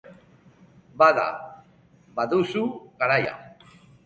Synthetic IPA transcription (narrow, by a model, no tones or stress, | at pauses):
baða̰ | baðusuɣaɾaja̰